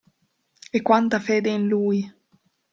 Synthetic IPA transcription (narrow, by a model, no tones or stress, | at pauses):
ekːwant̪afeːd̪einluːj